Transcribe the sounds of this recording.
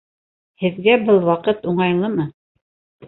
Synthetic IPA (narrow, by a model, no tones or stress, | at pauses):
hɘ̆ðɡæbɤlˠwɑqɤt̪uɴɑjlˠɤmɤ